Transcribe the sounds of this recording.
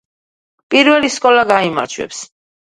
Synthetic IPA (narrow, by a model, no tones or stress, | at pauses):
pʼiɾvɛliskʼɔlaɡaima̰ɾt͡ʃʰwɛ̰ps